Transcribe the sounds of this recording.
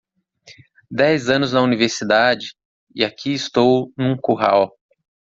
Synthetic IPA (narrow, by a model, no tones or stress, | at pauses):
d̪ɛjzɐ̃nʊznɐuniveɾsid̪ad͡ʒɪ | ɪakʰiɪst̪ownũkuɦa̰w